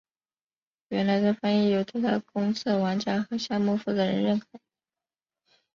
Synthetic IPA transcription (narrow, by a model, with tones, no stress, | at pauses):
ɥɛ˧˥nla˧˥ɪʈ͡ʂə˥˧fa˥ni˥˩jo˨˩ʊt̪ʰi˥t̪ʰa˥kʊ˥ŋt͡sʰɤ˥˩wa˧˥nt͡ɕja˥xɤ˧˥ɕja˥˧mu˥˧fu˥˩d̪ə˩ɻə̰˧˥nɻə˥˩nkʰɤ˨˩˦